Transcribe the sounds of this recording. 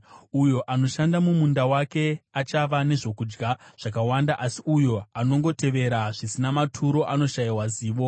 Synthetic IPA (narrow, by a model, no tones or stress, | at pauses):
ujo̞ʔano̞ʃandamumundawake̞at͡ʃaʋane̞ʐo̞kuːd͡ʒɡaʐ̥ak̬awandaʔasiujo̞ano̞ŋɡo̞te̞ʋe̞ɾaʐisinamatʰuɾo̞ʔano̞ʃaiwaziːʋo̞